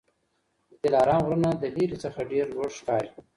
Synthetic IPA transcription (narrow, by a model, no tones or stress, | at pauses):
t̪ɪlɑɾɑnɣɾunad̪əɦiɾisəxaɖeɾlwaɽʃkɑɾ